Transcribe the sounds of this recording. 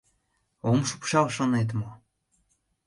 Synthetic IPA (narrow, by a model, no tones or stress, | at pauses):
omʃu̥pʃɑlʃonet̪̬mo